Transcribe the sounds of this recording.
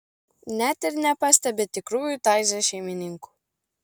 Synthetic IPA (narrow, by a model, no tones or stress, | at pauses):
nʲɛt̪ɪɾnʲɛpɐsʲt̪ʲɛbʲet̪ʲɪkɾuːjut̪ɑˑɪzʲɛʃʲɛɪmʲɪnʲɪŋku̥ː